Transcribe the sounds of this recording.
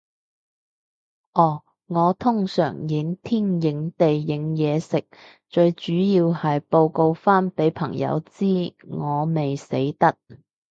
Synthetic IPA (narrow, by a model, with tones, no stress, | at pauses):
ʔɔː˨˩ | ŋɔː˨˧t̪ʰʊ˥ŋsœ̰ː˨˩ŋjɪ˨˥ŋt̪ʰiː˥˩njɪ˨˧˥ŋt̪e˨jːɪ˨˧ŋjɛː˨˧sɪ˨k̚ | t͡ʃɵ˧ɥt͡ʃyː˨˥jiː˧whɐ˨jpo˧wko˧wfaː˥npe˨˥jpʰɐ˨˩ŋjɐ̰˨˧wt͡siː˥ŋɔː˨˧me˨jsḛ˨˥jt̪ɐ˥k̚